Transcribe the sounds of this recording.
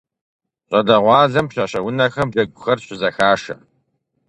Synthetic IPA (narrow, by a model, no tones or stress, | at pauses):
ɕʼɐdɐʁʷɑːɮɐmɕɐɕɐwʊnɐxɐmʒɐɡʷʊxɐrɕɪzɐxaːʂɐ̰